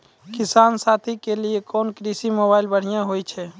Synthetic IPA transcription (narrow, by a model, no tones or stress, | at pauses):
kisaːnsat̪ʰikeliekɔːnkɾisimobaɪlbəɽ̤ijãɦojt͡ʃʰɛ